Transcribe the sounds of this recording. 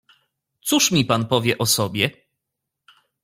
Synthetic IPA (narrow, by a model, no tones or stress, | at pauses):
t̪suʂmʲipanpɔvʲjɛʔɔsɔbʲjɛ